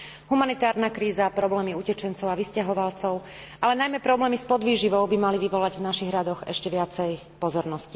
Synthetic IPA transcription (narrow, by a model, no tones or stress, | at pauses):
ɦumanit̪aːɾnakɾiːzapɾɔblɛːmiucɛt͡ʃɛnt͡sɔʊaʋiscaɦɔʋalt͡sɔʊ | ʔalɛnajmɛpɾɔblɛːmispɔd̪ʋiːʒiʋɔʊbimaliʋiʋɔlaɟvnaʃiɣɾad̪ɔɣɛ̰ʃcɛʋɪat͡sɛj | pɔzɔɾnɔsci